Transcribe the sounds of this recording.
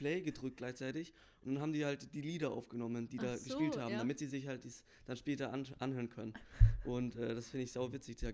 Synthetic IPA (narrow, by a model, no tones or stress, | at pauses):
plɛɪɡədʁʏkt̚ɡ̥laɪçt͡saɪtɪç | ʔʊnd̥anhaːbm̩diːhaltd̥iːliːdɐʔa̰ʊfɡ̥ənɔmənd̥iːdaːɡəʃpiːlthaːbm̩damɪtz̥iːzɪçhalt̚d̥iːs | d̥anʃpɛːtɐʔanʔanhøːʁənkʰœnənʔʊntʔɛːd̥asfɪndəɪçz̥aʊvɪt͡sɪçd̥iːa